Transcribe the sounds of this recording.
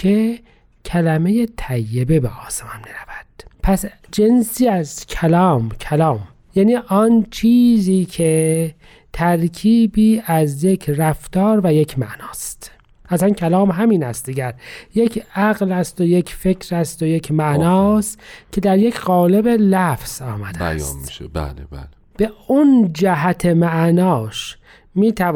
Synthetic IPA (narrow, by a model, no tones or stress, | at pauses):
kʰe | kʰælæme̞jet̪ʰæjːebe̞beʔɒːsemɒnmiɾævæd̪̥pʰæs | d͡ʒensiːæzkʰælɒːmcʰælɒːm | jæːniːʔɒnt͡ʃʰiːziːkʰe | t̪ʰæɾkʰiːbiːæzjekʰræft̪ɒːɾvæje̞cʰmæ̰ʔnɒːst̪ | ʔæsænkʰælɒːmɦæmiːnæst̪d̪iɡæɾjecʰæɣlæst̪ojecfecʰɾæst̪ojecʰmæʔnɒːst̪cʰe̞d̪æɾjecʰɣɒːlebelæfz̥ɒːmæd̪ææ̰jsmiʃḛbæ̰lebæ̰le | b̥e̞und͡ʒæɦæt̪ʰemæʔnɒːʃ | miːt̪ʰæ